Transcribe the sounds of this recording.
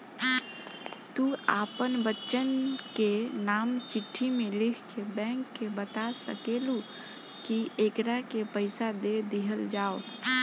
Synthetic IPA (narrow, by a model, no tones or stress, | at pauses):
t̪uaːpənbətːʃənkenaːmt͡ʃɪʈʰːimelɪkʰkebɛ̃ŋkːebət̪asə̰kelu | kiekɾakepəɪsad̪ed̪iɦəld͡ʒao